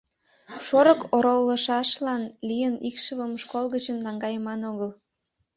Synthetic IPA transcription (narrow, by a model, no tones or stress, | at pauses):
ʃoɾəkoɾolːəʃɑʃlɑnlijənikʃəβəmʃkolɣət͡ɕənlɑŋɡɑjəmɑnoɣəl